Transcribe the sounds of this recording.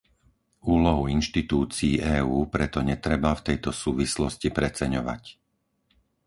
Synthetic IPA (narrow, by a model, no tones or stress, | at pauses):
uːlɔɦuinʃt̪it̪uːt͡siːʔɛːuːpɾɛt̪ɔɲɛt̪ɾɛbaft̪ɛjt̪ɔsuːʋislɔscipɾɛt͡sɛɲɔʋa̰c